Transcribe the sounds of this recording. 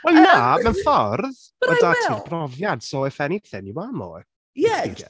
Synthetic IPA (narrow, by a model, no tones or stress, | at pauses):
wɛlˠnamɛnfɔrð | ədatʰirbrɔvjad̥sɔɛfɛniɡθɪniwamɔ̰ | jɛiɡɛ̰